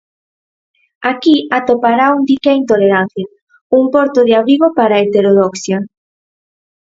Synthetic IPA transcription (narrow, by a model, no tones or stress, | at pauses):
akiat̪opaɾaund̪ikeint̪oleɾan̟θja | uŋpɔɾt̪oðeaβɾiɣopaɾaet̪eɾoðɔksja